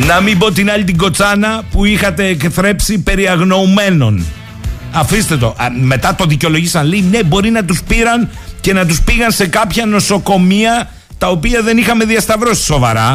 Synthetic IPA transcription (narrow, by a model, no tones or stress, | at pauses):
nɐmimbo̞t̪inɐʎit̪iɡo̞t͡sɐnɐpuixɐt̪e̞ːkθɾe̞psipe̞ɾiɐɣno̞ume̞no̞̰n | ɐfist̪e̞t̪o̞̰ʔme̞t̪ɐt̪o̞ðiceo̞lo̞ʝisɐnlejne̞bo̞ɾinɐt̪̬uspiɾɐn | ce̞nɐt̪̬uspiɣɐnse̞kɐpçɐno̞so̞ko̞miɐ | t̪ɐo̞piɐðe̞nixɐme̞ðiɐst̪ɐvɾo̞si̥so̞vɐɾɐ